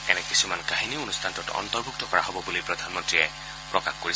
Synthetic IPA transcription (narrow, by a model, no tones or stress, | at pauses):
ɛnɛkisumankaɦiniunustʰantɔtɔ̰ntɔɹbʱuk̚tɔkɔɹa̰ɦɔbɔbulipɹɔdʱanmɔntɹiɛ | pɹɔkaxkoɹis